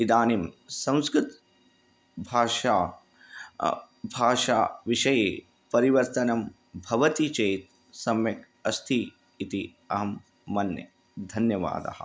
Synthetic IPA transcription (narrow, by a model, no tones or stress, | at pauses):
id̪aːnimsɐ̃w̃skɾɪt̪ | bʱaːʃaː | bʱaːʃaːʋiʃɐje | pɐɾiʋɐɾt̪ɐnɐm | bʱɐʋɐt̪it͡ʃɐːt̪ | sɐmjɐk | ɐst̪ʰiː | t̪i | ɐɦɐmː | ɐnjɐ̰ | d̪ʱɐnjɐʋa̰ːd̪ɐ̰ɦɐ̰̆